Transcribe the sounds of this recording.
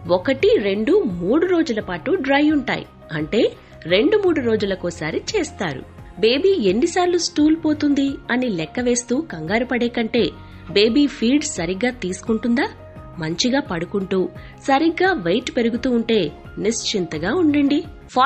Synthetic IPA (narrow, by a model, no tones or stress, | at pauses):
wɔkɐʈiɾe̞ɳɖumuːɽuɾo̞ːd͡ʒulɐpaːʈuɖɾɐjuɳʈa̰ːjḭ | ɐɳʈe̞ː | ɾe̞ɳɖumuːɽuɾo̞ːd͡ʒulɐkoːsaːɾit͡ʃeːst̪aːɾṵ | be̞ːbiːe̞nːisaːɾlusʈuːlpo̞ːt̪und̪iɐnilɛkːɐʋe̞ːst̪uːkɐŋɡaːɾupɐɽɛːkɐɳʈe̞ː | be̞ːbiːpʰiːlɖssɐɾiɡːaːt̪iːsu̥kuɳʈund̪aː | mɐɲt͡ʃiɡaːpɐɽukuɳʈuː | sɐɾiɡːaːʋɐjʈpe̞ɾuɡut̪uːɳʈe̞ː | nist͡ʃint̪ɐɡaːuɳɖɐɳɖi | pʰaː